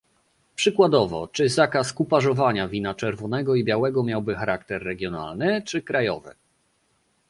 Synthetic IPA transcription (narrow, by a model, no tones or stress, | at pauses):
pʂɘkwad̪ɔvɔ̰t͡ʂɘzakaskupaʐɔvaɲavʲinat͡ʂɛɾvɔnɛɡɔibʲjawɛɡɔmʲjawbɘxaɾakt̪ɛɾːɛɡʲjɔna̰lnɘt͡ʂɘkɾajɔ̰vɘ̰